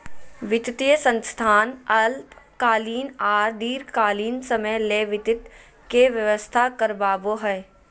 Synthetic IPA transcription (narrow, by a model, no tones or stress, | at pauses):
ʋɪt̪ɪt̪ijəsə̃nst̪ʰaːnɐlpkaːliːnaːɾd̪iːɾkaːliːnsəməjleːʋɪt̪ɪt̪ | keʋjəʋəst̪ʰakəɾbaːboɦɛː